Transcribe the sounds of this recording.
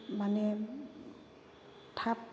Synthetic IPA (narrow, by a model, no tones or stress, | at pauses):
manɛ | tʰap